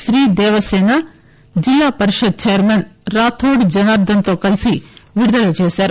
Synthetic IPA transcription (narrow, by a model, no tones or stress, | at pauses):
ʃɾiːd̪eːʋɐseːnɐ | d͡ʒilːaːpɐɾiʃɐd̪̚t͡ʃejɐɾmenɾaːt̪ʰoːɖd͡ʒɐnaːɾd̪ɐnt̪oːkɐlsiʋiɽud̪ɐlɐt͡ʃeːsaːɾu